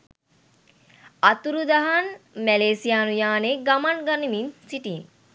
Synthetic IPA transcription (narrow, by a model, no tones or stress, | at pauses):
at̪uɾud̪aɦanmɛleːsijaːnujaːneɡamanɡaniminsiʈiːn